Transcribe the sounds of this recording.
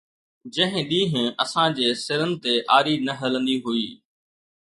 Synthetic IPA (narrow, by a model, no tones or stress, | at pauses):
d͡ʑɐ̃ɦɪ̃ɗĩːɦɪ̃ɐsãːd͡ʑeːsɪɾənɪ̆t̪eʔaːɾiːnɐɦələ̃nd̪iːɦuiː